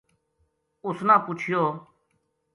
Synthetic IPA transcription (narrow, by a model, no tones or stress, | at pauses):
ʊsnãːpʊt͡ʃʰɪjoː